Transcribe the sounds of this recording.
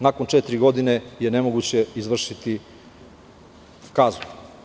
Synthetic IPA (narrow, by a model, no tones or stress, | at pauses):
nakont͡ʂɛt̪ɾiɡo̞d̪ine̞je̞nemoɡut͡ɕeizʋr̩ʃit̪i | kaːzlu